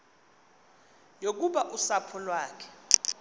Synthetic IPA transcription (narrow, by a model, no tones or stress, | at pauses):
jok̬uɓaʔusapʰɔlwaːkʰɛ̥